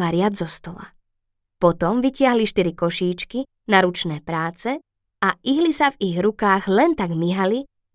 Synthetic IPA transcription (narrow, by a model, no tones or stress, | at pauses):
aɾɪad͡zzɔst̪ɔla̰ | pɔt̪ɔmʋicɪaɦliʃt̪iɾikɔʃiːt͡ʃki | naɾut͡ʃnɛːpɾaːt͡sɛ | aʔiɦlisaviɣɾukaːɣlɛnt̪aɡmiɦali